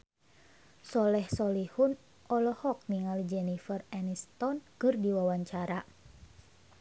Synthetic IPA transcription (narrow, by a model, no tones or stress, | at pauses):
sɔlɛhsɔlihun | ʔɔlɔhɔk̚niŋalid͡ʒɛnifərɛnist̪ɔnkɨrdiwawaɲt͡ʃaɾa